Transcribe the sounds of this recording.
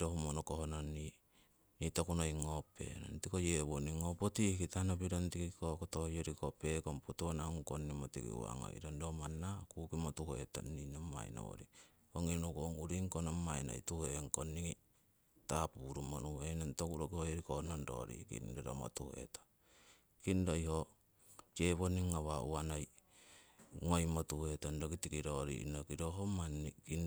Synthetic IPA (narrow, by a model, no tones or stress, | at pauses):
ɾohumonokohononːi | nitokunoiŋopḛno̰ntikojeβoniŋopotihkitanopiɾontikikokotohojoɾikopekompotuonaŋkonːimotikḭwa̰ŋo̰iɾondomanːakukimotuheta̰inoma̰jno̰o̰ɾi | oŋinukoŋuɾiŋkonomːajno̰ituheŋkoniŋi | tapuɾumonuenentokuɾokihohiɾikonondo̰ɾḭkḭndoɾo̰mo̰tuhe̞̰tḁ | kindojho | t͡ʃeβoniŋːaβauanaj | ŋojmotuhetandokitikiɾoɾḭnokiɾoɦomaniki